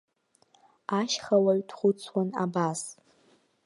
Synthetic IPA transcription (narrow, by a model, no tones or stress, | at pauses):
aʃχawaɥtʰχʷʊt͡sʰwana̰bas